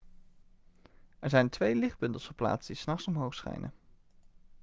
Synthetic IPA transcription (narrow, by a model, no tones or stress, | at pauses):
ɛɹzɛjntʋejlɪχ̚bɵntəlˠsfəɹpla̰ːtsdisnɑχsɔmɦowχsχɛ̰jnʔə̰